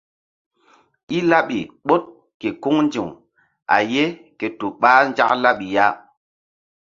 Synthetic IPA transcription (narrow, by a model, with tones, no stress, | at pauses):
i˦la˦ɓi˨ɓo˦t̚ | ke˨ku˦ŋn˦d͡ʒi˨ŋ | a̰˨je˦ke˨to˨ɓaː˦nd͡ʒa̰˦kla˦ɓi˨ja˦